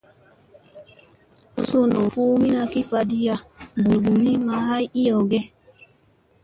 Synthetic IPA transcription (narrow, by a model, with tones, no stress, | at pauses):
u˦su˦˨no˨fu˦mi˦na˧ki˦fa˧di˦ja˦bu˨bu˨mi˦ma˦ɦa˦ji˦ɔ˨ɡɛ˦